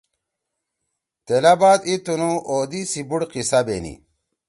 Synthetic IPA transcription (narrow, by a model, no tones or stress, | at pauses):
t̪elɐbaːt̪it̪unuʔoːd̪isibuɽqisɐbḛːnḭ